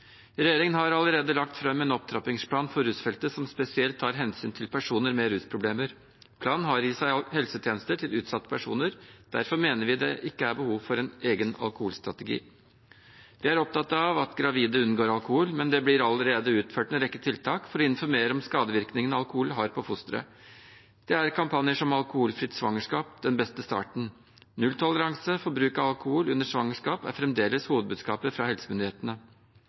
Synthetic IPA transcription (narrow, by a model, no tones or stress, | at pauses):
ɾɛjeːɾɪŋənɦɑɾɑləɾeːd̪əlɑk̚t̪fɾɛmːɛːnɔp̚t̪ʰɾɑpɪŋspʰlɑːnfɔɾɾʉːsfɛlt̪əsɔmspɛsɪɛlt̪ʰːɑːɾɦɛnsyːnt̪ʰɪlpʰæʂuːnəɾmɛɾʉːspʰɾʊbleːməɾ | pʰlɑːnnɦɑɾɪsæɪhɛlsət̪ʰjeːnəst̪əʈʰɪlʉːt̪sɑt̪ːə̥pʰæʂṵːnəɾd̪̥æ̰ɾfɔɾmeːnəɾʋɪd̪ɛ̰ʔɪkːəæɾbəhuːʋfɔɾɛneːɡənɑ̰lkʊhuːlst̪ɾɑt̪ɛɡḭː | d̪̥ɛæɾɔp̚t̪ʰɑt̪ːɑʋɑt̪ɡɾɑʋiːd̪əʉnːɡoːɾɑlkʊhuːlmɛnd̪ɛblɪɾɑlːəɾeːd̪əʉːt̪føːʈ̪ɛɾɛkːət̪ʰɪlt̪ʰɑːkfɔɾɔɪnfɔɾmeːɾəɔmskɑːd̪əʋɪɾknɪŋənɑlkʊhuːlɦɑɾpʰɔfʊst̪ɾə̰ | d̪̥ɛæɾkʰɑmpʰɑnjəʂɔmɑlkʊhuːlfɾɪt̪sʋɑ̰ŋːəʂkɑːp̚d̪̥ɛnbɛst̪əst̪ɑ̰ːʈɳ̩ | nʉlt̪ʰɔləɾɑŋsəfɔɾbɾʉːkɑɑlkʊhuːlʉnːəʂʋɑŋəʂkɑːpæ̰ɾfɾɛmd̪eːləshuːʋəd̪̚bʉːd̪skɑːpəɾfɾɑhɛlsəmʏnd̪ɪeːt̪ənə